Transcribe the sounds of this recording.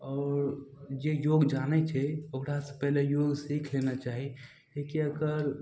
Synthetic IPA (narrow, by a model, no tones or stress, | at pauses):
ɔːɾd͡ʒejoɡd͡ʒanɛt͡ʃʰɛokɾasə̃pɛɦlejoɡsikʰlenat͡ʃaɦi | lekiəkəɾ